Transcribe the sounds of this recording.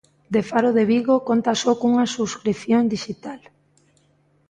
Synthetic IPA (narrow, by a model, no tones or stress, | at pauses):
d̪efaɾoðeβiɣokont̪asɔkuŋasuskɾiθjoŋd̪iʃit̪al